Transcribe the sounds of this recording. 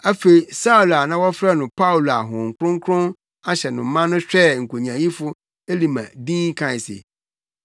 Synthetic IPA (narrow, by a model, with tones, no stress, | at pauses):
a˦fe˨i˨sa˦u˨la˨nã˦wɔ˦fɾɛ˦nʊ̃˨pʰa˦wu˨la˨ɦʊ̃˨ŋ̩˨kʰɾʊ̃˦ŋ˦kʰɾʊ̃˦n | a˦ɕɛ˨nʊ̃˨m̩˦mːã˦nʊ̃˦ɕᶣɛ˦˨ŋ̩˨kʰo˨ɲã˨jĩ˦fʊ˦ | e˦li˨mã̰˨dĩː˦ŋ˦kʰã˨sḛ˨